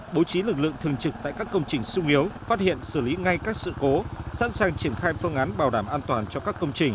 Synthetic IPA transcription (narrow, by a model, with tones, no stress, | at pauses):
ɓo˨˦wt͡ɕi˨˦lɨ˨˩k̚lɨ̰˧˨əŋt̪ʰɨ˨˩əŋt͡ɕɨ˨˩k̚t̪a̰ː˧˨kaː˦˥kːə˧wŋ͡mt͡ɕï˨˩ŋ̟sʊ˧ŋ͡mʔi˨˦əwfaː˦˥t̚hḭ˧˨ənsɨ˧˩li˨˦ŋa˧jkaː˦˥k̚sɨ̰˧˨ko˨˦sa̰˧˥nsaː˨˩ŋt͡ɕi˧˩ənxaː˧jfɨ˧əŋʔaː˨˦nɓaː˨˩wɗaː˧˩mʔaː˧nt̪waː˨˩nt͡ɕɔ˧kaː˦˥kːə˧wŋ͡mt͡ɕï˨˩ŋ̟